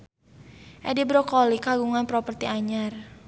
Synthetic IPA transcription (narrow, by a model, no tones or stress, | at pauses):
ʔɛdibɾokɔlikaɡuŋanpɾɔpərt̪iʔaɲar